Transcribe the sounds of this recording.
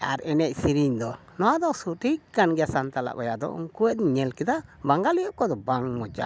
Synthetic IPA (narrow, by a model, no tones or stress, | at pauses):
a̰ɾɛnɛc̚siɾiɲd̪ɔ | nɔwad̪ɔsuʈikanɡasant̪ala̰ʔbajad̪ɔ̰ʔṵŋkuɛɲɛlkɛd̪abaŋɡalijɔʔ̚kɔd̪ɔbaŋmɔd͡ʒa̰